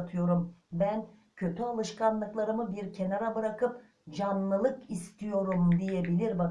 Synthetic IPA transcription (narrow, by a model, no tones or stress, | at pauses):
t̪ʰɯjo̞ɾumbæn | cʰø̞t̪ʰyalˠɯʃkanlˠɯklˠaɾɯmɯbiɾcʰe̞naɾabɯɾakɯp̚ | d͡ʒanːˠɯlˠɯkist̪ʰijo̞ɾumd̪ijebilʲiɾba